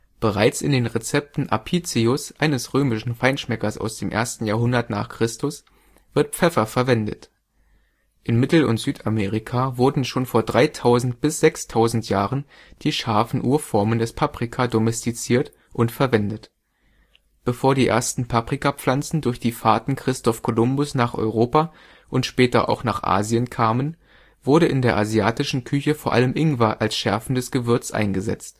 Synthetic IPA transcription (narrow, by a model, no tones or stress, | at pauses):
b̥əʁaɪt͡sɪndeːnʁet͡sɛp̚tn̩ʔa̰pʰit͡siʊsʔaɪnəsʁøːmɪʃn̩faɪnʃmɛkɐsʔa̰ʊsd̥eːmʔḛɐstn̩jaːɐɦʊndɐtna̰ːχkʁ̥ɪstʊs | v̥ɪɐt̚pp͡fɛfɐfɛɐvɛndə̰t | ʔɪnmɪtl̩ʊ̰ntz̥yːtʰameːʁikʰavʊɐdn̩ʃoːnfoːɐdʁaɪtʰaʊzn̩tb̥ɪsz̥ɛkstʰaʊzn̩tjaːʁən | d̥iːʃaɐfn̩ʔuːɐfɔɐməndɛspʰapʁ̥ikʰadomɛstit͡siːɐt | ʔʊntfɛɐvɛndət | b̥əfoːɐdiːʔḛːɐstn̩pʰapʁ̥ikap͡flant͡sn̩dʊɐçd̥iːfaɐtn̩kʁ̥ɪstɔfkʰolʊmbʊsnaːχʔɔ̰ʏʁ̞oːpa | ʔʊntʃpɛːtɐ̰ʔa̰ʊxnaːχʔa̰ːzjənkʰaːmən | v̥ʊɐɾəɪndeːɐʔaziaːtɪʃn̩kʰʏçəfoːɐʔa̰ləmʔɪŋvaʔalsʃɛɐfn̩dɛsɡ̥əvɪɐt͡sʔa̰ɪnɡəzɛ̰t͡st